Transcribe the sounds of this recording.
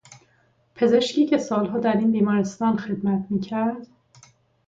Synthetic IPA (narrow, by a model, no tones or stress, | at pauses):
pʰe̞ze̞ʃkcʰiːcʰe̞sɒːlɦɒːd̪æɾiːnbiːmɒːɾest̪ɒːnxe̞d̪mæt̪ʰmiːcʰæɾd̪